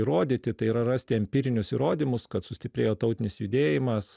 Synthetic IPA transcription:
iɾoːd̪ʲit̪ʲɪt̪ɐɪiːɾɐrɐsʲt̪ʲɪɐmʲpʲiːɾʲɪnʲʊsiːɾoːd̪ʲimʊskɐt̪sʊsʲt̪ʲɪpʲɾʲeːjoːt̪ɐʊt̪ʲɪnʲɪsjʊd̪ʲeːjɪmɐs

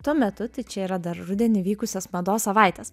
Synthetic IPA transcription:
t̪uɔmʲɛt̪ʊt̪ɐɪt͡ʃʲɛiːɾɐd̪ɐɾɾʊd̪ʲɛnʲɪʋʲiːkʊsʲɛsmɐd̪oːssɐʋɐˑɪt̪ʲɛs

